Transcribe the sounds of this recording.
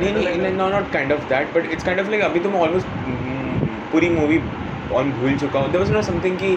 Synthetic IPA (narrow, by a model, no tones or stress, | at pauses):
nenoɪ̃ɛnanɔːʈ̚kãɪ̃ɳɖɔfd̪æʈ̚bɐʈɪʈskãɪ̃ɳɖɔflaɪkɐbʱĩt̪̬omɛ̃ɔːlmoːsʈ | puːɾimuːʋi | ɔ̃ːnbʱuːlt͡ʃʊkaõd̪eɾʋɔznoːsɐ̃mt̪ʰɪ̃ŋki